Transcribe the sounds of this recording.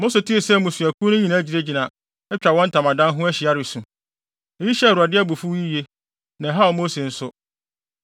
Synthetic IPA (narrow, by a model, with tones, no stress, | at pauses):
mõ˦so˨tʰi˦e˨sɛ˦˨mũ˨sɥæ˨kʰu˦nʊ̃˦ɲĩ˨nã˦d͡ʑi˨ɾe˦d͡ʑi˨nã˨ | ɛ˦t͡ɕᶣa˨wɔ̃˦n̩˦tʰã˨mã˨dã˦nɦʊ̃˦æ˦ɕi˨a˦ɾɪ˨sũ˨ | e˨ji˦ɕɛ˦˨ɾu˨a˨dɪ˦æ˦bu˨fu˦ji˦je˦ | nã˨ɦa˦ɔ˨mõ˦se˨n̩˦sʊ˦